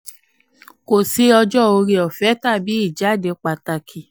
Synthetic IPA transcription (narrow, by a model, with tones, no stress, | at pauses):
ko˨se˧˦ɔ˧d͡ʒɔ˦˨o˧ɾi˧ɔ˨fɛ˨˦ta˦˨bi˨˦i˦˨d͡ʒa˨˦˨de˧k͡pa˨ta˧kʰi˨